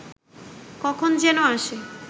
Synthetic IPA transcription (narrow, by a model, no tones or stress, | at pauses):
kɔkʰond͡ʑenoaʃe